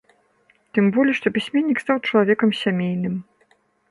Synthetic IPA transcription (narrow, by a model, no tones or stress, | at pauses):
t̪ɨmbɔlʲiʂt̪ɔpʲisʲmʲɛnʲːikst̪awt͡ʂɐlˠavʲɛkɐmsʲamʲejnɨm